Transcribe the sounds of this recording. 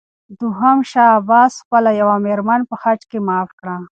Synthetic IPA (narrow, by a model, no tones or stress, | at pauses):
d̪uɦamʃɑːbɑsxpəlajawameɾmanpəxaʈkemɑːfkɽa